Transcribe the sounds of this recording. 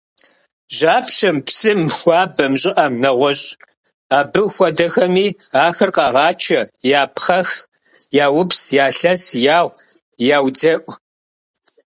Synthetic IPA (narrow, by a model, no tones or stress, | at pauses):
ʒaːpʃɐmpsɨmxʷɑːbɐmʑʼɪʔɐmnɐʁʷɔɕʼ | aːbɨxʷɔdɐxɐmiːaːxɐrqɑʁɑːt͡ʃʰɐjaːpʰχɐx | jaːwʊpsjaːɬɐsjaːwʷ | jaːwd͡zɐʔʷ